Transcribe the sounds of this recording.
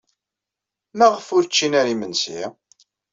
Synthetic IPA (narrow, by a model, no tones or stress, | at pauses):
mæʁəfʊɾt͡ʃːinæɾimənsi